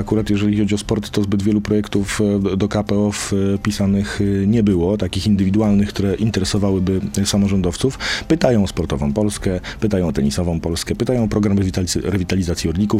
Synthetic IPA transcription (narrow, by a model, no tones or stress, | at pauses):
akuɾat̪jɛʐɛlʲixɔd͡ʑiɔspɔɾt̪ːɔzbɘd̪vʲjɛlupɾɔjɛkt̪ufd̪ɔkapɛɔfpʲisanɘxɲɛbɘwɔt̪akʲixind̪ɘvʲid̪ualnɘxkt̪uɾɛʔint̪ɛɾɛsɔvawɘbɘsamɔʐɔnd̪ɔft̪sufpɘt̪ajɔ̃w̃spɔɾt̪ɔvɔ̰̃w̃pɔlskɛpɘt̪ajɔ̃w̃ɔt̪ɛɲisɔvɔ̃w̃pɔlskɛpɘt̪ajɔ̃w̃pɾɔɡɾamɛvʲit̪aɾɛvʲit̪alʲizat̪sʲjiɔɾlʲikuf